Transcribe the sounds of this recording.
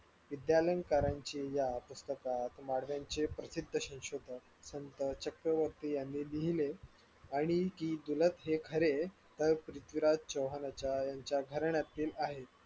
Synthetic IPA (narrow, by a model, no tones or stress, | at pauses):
ʋid̪jaləjnkaɾaɲt͡ɕijapust̪əkat̪maɽʋjaɲt͡ɕepɾəsid̪ʱːəɕĩnɕod̪ʱə | sənt̪ət͡ɕəkɾəʋəɾt̪ijanːiːliɦile | aɽ̃ikiːd̪ulət̪ɦekʰəɾe | t̪əɾpɾit̪ʋiɾad͡ʑt͡ɕəwɦənat͡ɕjajaɲt͡ɕjaɡʱəɾɳjat̪iːlaɦe